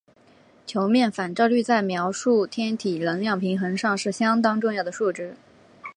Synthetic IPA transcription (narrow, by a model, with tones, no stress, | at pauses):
t͡ɕʰjo˧˥ʊmjɛ˥˩nfa˨˩nʈ͡ʂɑ˥˧ly˥˧t͡sa˥˩ɪmjɑ˧˥ʊʂu˥˩t̪ʰjɛ˥nt̪ʰi˨˩lɤ˧˥ŋljɑ˥˩ŋpʰi˧˥ŋxə˧˥ŋʂɑ˥˧ŋʂɻ̩˥˩ɕjɑ˥ŋt̪ɑ˥ŋʈ͡ʂʊ˥˧ŋjɑ˥˩d̪ə˩ʂu˥˩ʈ͡ʂɻ̩˥